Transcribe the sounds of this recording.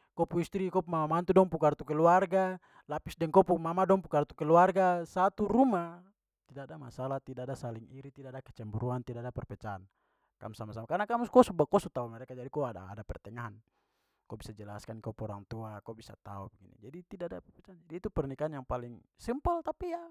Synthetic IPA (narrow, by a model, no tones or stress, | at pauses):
kɔpuist̪ɾikɔpmamamant̪udɔŋpukart̪ukɛluarɡa | lapisdɛŋkɔpumamadɔŋpukart̪ukɛluarɡasat̪uɾuma | t̪idadama̰salaht̪idaːdasaliŋiɾit̪idadakɛ̥t͡ʃɛmbuɾuant̪idaːdapɛrpɛt͡ʃaːn | ka̰musamasamakarnakamuskɔsubakɔsut̪aumɛɾɛkad͡ʒadikɔada̰ːdapɛrt̪ɛŋaɦan | kɔbisad͡ʒɛlaskankɔpɔɾa̰ŋt̪uakɔbisa̰t̪a̰ṵbɛɡinḭd͡ʒadit̪idaadapɛrpɛt͡ʃand͡ʒadiːt̪upɛrnikaanjaŋpaliŋsimpɔlt̪apija